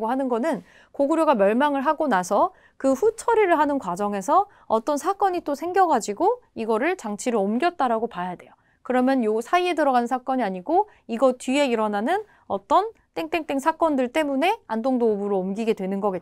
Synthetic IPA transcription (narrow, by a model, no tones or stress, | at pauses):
ɡoɦanɯnɡʌnɯn | koɡɯɾjoɡamjʌɭmaŋɯɭɦaɡonasʰʌ | kɯɸut͡ɕʰʌɾiɾɯɭɦanɯnkwad͡ʑʌŋe̞sʰʌ | ʌt͈ʌnsʰak͈ʌɲit͈osʰe̞ŋɡjʌɡad͡ʑiɡoiɡʌɾɯɭt͡ɕaŋt͡ɕʰiɾɯɭʌmɡjʌt̚t͈aɾaɡopajadwe̞jo | kɯɾʌmjʌnjosʰaie̞dɯɾʌɡanɯnsʰak͈ʌɲiaɲiɡo | iɡʌtɥie̞iɾʌnanɯn | ʌt͈ʌn | t͈eŋt͈e̞ŋt͈e̞ŋsʰak͈ʌndɯɭt͈e̞mune̞andoŋdoːbɯɾoːmɡiɡe̞dwe̞nɯnɡʌɡe